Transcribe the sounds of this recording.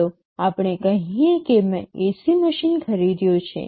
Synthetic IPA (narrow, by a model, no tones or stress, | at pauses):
o | apɽ̃ekəɦĩekemɛ̃esiməʃinkʰəɾid̪jõt͡ʃʰḛ